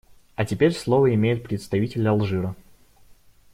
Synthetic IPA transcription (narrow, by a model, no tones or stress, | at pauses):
ɐtʲɪpʲeɾʲslˠovəɪmʲejʊt̪̚pɾʲɪt̪st̪ɐvʲitʲɪlʲɐlˠʐɨɾə